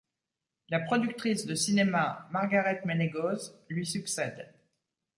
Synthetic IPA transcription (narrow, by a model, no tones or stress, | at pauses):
lapχɔd̪yk̚t̪χisd̪əsinemamaʁɡaʁɛt̪meneɡozlɥisyksɛd̪